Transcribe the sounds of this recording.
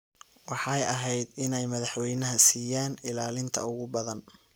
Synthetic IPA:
wɑħɑjɐɦɛjd̪ɪnɛjmɐðɑħwɛjnɐɦɐsiːjaːnɪlaːlɪnt̪ʰɐ̰ʊɣʊbɐðɐn

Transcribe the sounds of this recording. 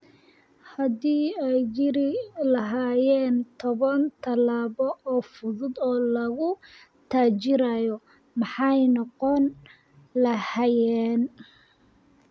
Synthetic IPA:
hɐdiːɛjt͡ʃɪɾɪlɐɦaːjɛːnt̪ʰɔβɐnt̪ʰɐlaːβɔʔɔːfʊðʊd̪ɔːlɐɣʊ | t̪ʰaːt͡ʃɪɾaːjɔ | mɑħɑjnɔqɔn | lɐhɐjɛːn

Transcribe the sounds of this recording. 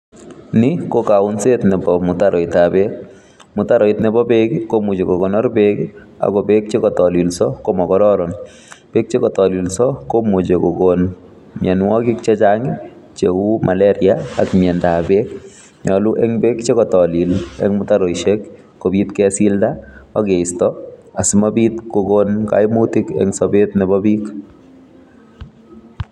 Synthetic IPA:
nikokaʊnsetnɛbɔmʊtaɾʔɔɪtabek̚ | mʊtaɾɔɪtnɛbɔbekkomut͡ʃekoɡɔnɔɾbek | a̰kɔbek̚t͡ʃekɔtɔlilsɔkomɔkɔɾɔɾɔn | b̥ek̚t͡ʃekɔtɔlilsɔkomut͡ʃekoɡon | mjɛnwɔkikt͡ʃɛt͡ʃaŋɪ | t͡ʃeumʔalɛɾiaakmjɛndabek̚ | ɲɔluʔɛŋbek̚t͡ʃekɔtɔlilɛ̰ŋmʊtaɾojʃekː | obitkɛsildaakeɪstɔasimabitkoɡonka̰jmutikɛ̰ŋsɔbetnɛbɔbik

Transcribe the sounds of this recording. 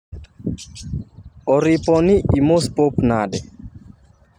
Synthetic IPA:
ɔɾipɔniʔimospopnadɛ

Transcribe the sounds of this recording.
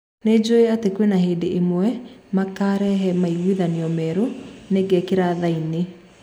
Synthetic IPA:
ned͡ʑoeatekwenaheːdeʔemwɛmakaɾɛɦɛmaiɣwiðaniɔmɛɾoneɡɛkeɾaðaine

